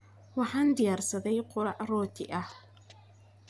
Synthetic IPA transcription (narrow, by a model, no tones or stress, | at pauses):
wɑħɑːnd̪ɪjaːrsɐðɛjqʊɾɑʕrɔːt̪ʰɪ̰ʔɐh